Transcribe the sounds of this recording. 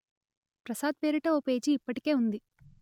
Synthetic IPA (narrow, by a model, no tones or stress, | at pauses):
pɾɐsaːd̪̚pe̞ːɾiʈɐoːpe̞ːd͡ʒiːpːɐʈi̥ke̞ːund̪i